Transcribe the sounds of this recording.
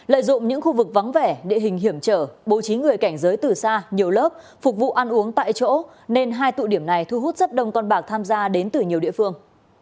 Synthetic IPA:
lə̰ː˧˨jzʊ̰˧˨ŋ͡mɲɨ̰˧˥ŋxu˧vɨ˨˩k̚vɔ˨˦wŋ͡mve˧˩ɗḭ˧˨ɦï˨˩ŋ̟ɦi˧˩əmt͡ɕəː˧˩ɓo˨˩t͡ɕi˨˦ŋɨ˨˩əjka˧˩jŋ̟zəː˨˦jt̪ɨ˨˩saː˧ɲi˨˩əwləː˦˥p̚ | fʊ˨˩k̚vṵ˧˨ʔa˧nʔu˨˦əŋt̪a̰ː˧˨jt͡ɕo̰˧˥ | ne˧nɦaː˧jt̪ṵ˧˨ɗi˧˩əmna˨˩jt̪ʰu˧ɦu˦˥t̚z̥ə˦˥p̚ɗə˧wŋ͡mkɔ˧nɓaː˨˩k̚t̪ʰaː˧mzaː˧ɗe˨˦nt̪ɨ˨˩ɲi˨˩ɗḭ˧˨əfɨ˧əŋ

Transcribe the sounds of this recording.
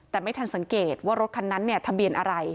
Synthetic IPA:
tɛː˨˩ma˥˩jt̪ʰa˧nsa˨˩˦ŋkeː˨˩t̪̚waː˥˩ɾo˦˥t̪̚kʰa˧nːa˦˥nːi˥˩ɐt̪ʰa˧bi˧ənʔa˧ɾa˧j

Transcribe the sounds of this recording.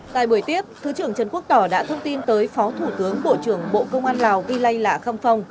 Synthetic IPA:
t̪a̰ː˧˨jɓu˧˩əjt̪i˦˥əp̚t̪ʰɨ˨˦t͡ɕɨ˧˩əŋt͡ɕə˨˩nku˦˥əɗ̪ɔ˧˩ɗa̰ː˧˥t̪ʰə˧wŋ͡mt̪i˧nt̪əː˨˦jfɔ˨˦t̪ʰu˧˩t̪ɨ˨˦əŋɓo̰˧˨t͡ɕɨ˧˩əŋɓo̰˧˨kə˧wŋ͡mʔaː˧nlaː˨˩wvi˧la˧jlaː˧˩xə˧wŋ͡mfə˧wŋ͡m

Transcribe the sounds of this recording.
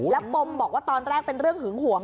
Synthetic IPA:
lɛː˦˥wpo˧mbɔː˨˩k̚waː˥˩t̪ɔː˧nɾaː˥˩ŋpe˧nɾɯ˥˩əŋhɯ˨˩˦ŋhu˨˩˦əŋ

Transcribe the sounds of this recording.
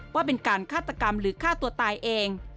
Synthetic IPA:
waː˥˩pe˧nkaː˧nkʰaː˥˩t̪ːa˧ka˧mɾɯː˩˦kʰaː˥˩t̪u˧ɐt̪aː˧jʔeː˧ŋ

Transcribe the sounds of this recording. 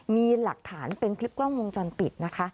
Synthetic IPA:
miː˧la˨˩k̚t̪ʰaː˩˦npe˧nkʰli˦˥p̚klɔː˥˩ŋwo˧ŋt͡ɕɔ˧npi˨˩t̪̚na˦˥kʰa˦˥ʔ

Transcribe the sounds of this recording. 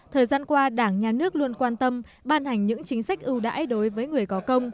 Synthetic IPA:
t̪ʰəː˨˩jzaː˧nkwaː˧ɗaː˧˩ŋɲaː˨˩nɨ˦˥ək̚lu˧ənkwaː˧nt̪ə˧m | ɓaː˧nha˨˩jŋ̟ɲɨ̰˧˥ŋt͡ɕï˨˦ŋ̟sa˦˥jk̟̚ʔɨ˧wɗa̰ː˧˥jɗo˨˦jvəː˨˦jŋɨ˨˩əjkɔ˨˦kə˧wŋ͡m

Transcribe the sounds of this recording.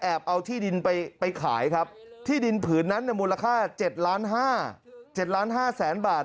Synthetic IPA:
ʔɛː˨˩p̚ʔa˧wt̪ʰiː˥˩di˧npa˧jpa˧jkʰa̰ː˩˦jkʰa˦˥p̚t̪ʰiː˥˩di˧npʰɯː˩˦nːa˦˥nːi˥˧˩muː˧la˧kʰaː˥˩t͡ɕe˨˩t̪̚laː˦˥nɦaː˥˩t͡ɕe˨˩t̪̚laː˦˥nɦaː˥˩sɛː˩˦nbaː˨˩t̪̚

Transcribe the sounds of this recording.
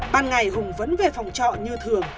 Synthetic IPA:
ɓaː˧nŋa˨˩jɦʊ˨˩ŋ͡mvə˨˦nve˨˩fa˨˩wŋ͡mt͡ɕɔ̰˧˨ɲɨ˧t̪ʰɨ˨˩əŋ

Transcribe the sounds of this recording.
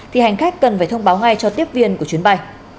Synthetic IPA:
t̪ʰi˨˩ha˨˩jŋ̟xaː˦˥kːə˨˩nfaː˧˩t̪ʰə˧wŋ͡mɓaː˨˦wŋa˨˧˩jt͡ɕɔ˧t̪i˦˥əp̚vi˧ənku˧˩ət͡ɕwi˨˦ənɓa˧j

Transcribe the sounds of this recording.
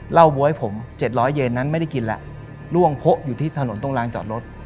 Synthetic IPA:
la˥˩wbuː˧ha˥˩jpʰo˩˦mt͡ɕe˨˩t̪̚ɾɔː˦˥jːe˧nːa˦˥nma˥˩jda˥˩jki˧nlɛ̰˧˦ʔ | lu˥˩əŋpʰo˦˥ʔjuː˨˩t̪ʰiː˥˩t̪ʰaː˧lo˨˩˦nt̪o˥˩ŋlaː˧ŋt͡ɕɔ̰ː˨˩t̪̚ɾo˦˥t̪̚

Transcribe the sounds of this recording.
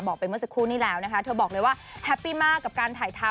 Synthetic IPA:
bɔː˨˩k̚pa˧jm˥˩˨sa˨˩kʰɾuː˥˩niː˥˩lɛː˦˥wna˦˥kʰa˦t̪ʰɤ˧bɔː˨˩k̚lɤː˧jwaː˥˩hɛ˦˥pːiː˥˩maː˥˩kːa˨˩p̚kaː˧nt̪ʰaː˨˩˦jt̪ʰa˦˥

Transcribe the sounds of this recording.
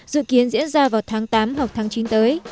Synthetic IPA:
zɨ̰˧˨ki˨˦ənzḭ˧˥ənzaː˧vaː˨˩wt̪ʰaː˨˦ŋt̪aː˨˦mɦə˨˩k͡p̚t̪ʰaː˨˦ŋt͡ɕi˨˦nt̪əː˨˦j

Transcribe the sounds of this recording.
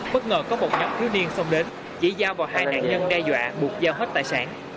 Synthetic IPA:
ɓə˦˥t̚ŋəː˨˩kɔ˨˦mo˨˩t̚ɲɔ˨˦wŋ͡mt̪ʰi˨˦wni˧ənsə˧wŋ͡mɗe˨˦n | zḭ˧˥zaː˧wvaː˨˩wɦaː˧jna̰ː˧˨nɲə˧nɗɛ˧zwa̰ː˧˨ɓu˨˩ət̚zaː˧wɦa˦˥t̚t̪a̰ː˧˨saː˧˩n

